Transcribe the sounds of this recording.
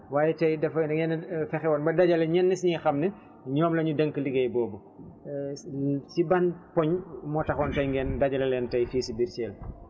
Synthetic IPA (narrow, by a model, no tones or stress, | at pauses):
waːjɛtɐjdɛfɐɡɛnfɛxɛwɔːnbɐdɐɟɐlɐɲɛnːisɲixɐmnɐ | ɲɔːmlɐɲudɐŋkəliɡɛjbɔːbɐ | sibanpɔɲmɔtɐxɔntɐjŋɡɛːndɐɟɐlɐlɛːntɐjfiːsibiɾt͡ʃɛːl